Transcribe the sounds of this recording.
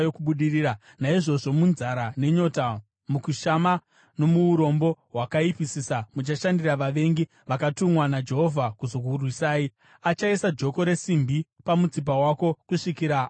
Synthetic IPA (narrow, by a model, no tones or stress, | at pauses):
jokuɓuɗiriːɾa | naiʐo̞ʐo̞munzaɾane̞ɲo̞ta | mukuʃama | no̞muuɾo̞mbo̞ɦwakaipisiːsamut͡ʃaʃandiraʋaʋe̞ŋɡi | ʋakatumwanad͡ʒe̞ɦo̞vʱakuzo̞kurwisaːi | at͡ʃaisad͡ʒo̞ko̞ɾe̞simbʱipamud͡zip̬awako̞kuʂikiɾa